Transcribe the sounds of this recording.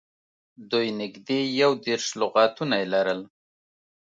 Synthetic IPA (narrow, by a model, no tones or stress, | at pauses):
d̪ujnɪɡd̪ejawd̪eɾʃlʊɣɑt̪unajelaɾəl